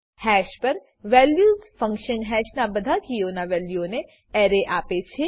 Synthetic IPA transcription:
hɛːʃpɐɾ | ʋɛːljuːzfɐ̃ŋkʃənɦɛːʃnabɐd̪ʱakijoːnaʋɛːljone | ɛːɾeʔaːpet͡ʃʰe

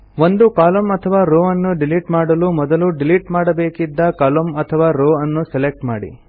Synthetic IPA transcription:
ʋond̪ukaːlɐmɐt̪ʰɐʋaːɾoːɐnːuɖiliʈmaːɽɐlumɔd̪ɐluɖiliʈmaːɽɐbeːkid̪ːɐkaːlomɐt̪ʰɐʋaːɾoːɐnːuselek̚ʈma̰ːɽḭ

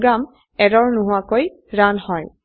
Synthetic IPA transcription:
ɡɹam | ɛɾɔɹnʊɦʊakoj | ɹanhɔj

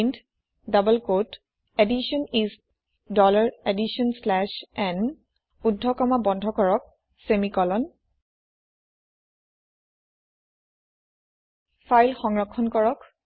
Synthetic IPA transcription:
nd | dabəlkot | ediʃɔnist | dɔlaɹediʃɔnslɛʃɛn | udʱːɔkɔmabɔndʱɔkɔɹɔk̚ | semikɔlɔn | fʰajlxɔŋɹɔkʰːɔnkɔɹɔk

